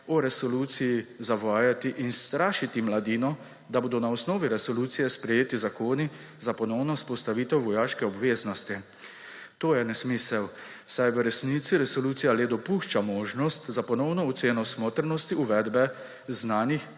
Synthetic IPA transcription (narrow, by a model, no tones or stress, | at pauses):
ɔɾɛsɔluːt̪sijizaʋaːjat̪iʔinst̪ɾaːʃit̪imlad̪iːnɔ | d̪aboːd̪ɔnaɔsnɔːʋiɾɛsɔluːt̪sijɛspɾɛjeːt̪izakoːni | zapɔnɔwnɔspɔst̪aʋiːt̪ɛwʋɔjaːʃkɛɔbʋeːznɔst̪i | t̪oːjɛnɛsmisɛw | sajʋəɾɛsniːt̪siɾɛsɔluːt̪sijaleːd̪ɔpuːʃt͡ʃamoːʒnɔst̪zapɔnɔwnɔɔt̪seːnɔsmoːt̪ɾnɔst̪iuʋɛd̪bɛ | znaːnix